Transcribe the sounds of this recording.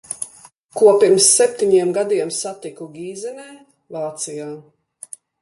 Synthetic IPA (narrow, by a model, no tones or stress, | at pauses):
kuɔpiɾmsːɛp̚t̪iɲiɛmɡad̪iɛmsat̪ikuɡʲiːzɛnɛː | vaːt̪sijaː